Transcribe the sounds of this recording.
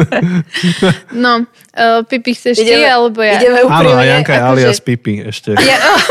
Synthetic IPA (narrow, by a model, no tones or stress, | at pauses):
nɔ | pipixsɛɛʃɛalɛbɔjaiɛmɛuaːnɔajaŋkajɛaliaspipiɛʃcɛja